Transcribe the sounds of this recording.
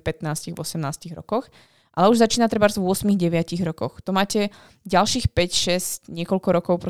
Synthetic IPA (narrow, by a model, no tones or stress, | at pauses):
pɛt̪naːsciɣvɔsɛmnaːsciɣɾɔ̰kɔx | ʔa̰lɛuʒzat͡ʃiːnat̪ɾɛbaɾzvʊɔsmiɣɟɛʋɪaciɣɾɔkɔxt̪ɔmaːcɛ | ɟalʃiːxpɛcʃɛscɲɪɛkɔlkɔɾɔkɔʊpɾɔ